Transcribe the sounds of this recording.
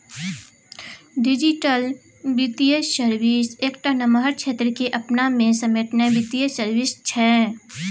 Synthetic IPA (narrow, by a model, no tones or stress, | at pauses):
ɖɪd͡ʒɪʈəl | bit̪iessəɾʋɪseːkʈanəməɦəɾkt͡ʃʃʰeːt̪ɾəkeʔɐpnamẽsɐmeːʈnəbit̪iesəɾʋɪst͡ʃʰɛː